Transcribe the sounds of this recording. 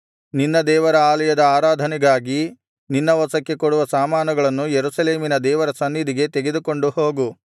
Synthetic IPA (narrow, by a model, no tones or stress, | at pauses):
ninːɐd̪ɛːʋɐɾɐaːlɐjɐd̪ɐaːɾaːd̪ʱɐnɛɡaːɡi | ninːɐʋɐsɐkːe̞koɽuʋɐsaːmaːnɐɡɐɭɐnːujeɾusɐleːminɐd̪ɛːʋɐɾɐsɐnːid̪iɡe̞t̪eɡe̞d̪uko̞ɳɖuhoːɡu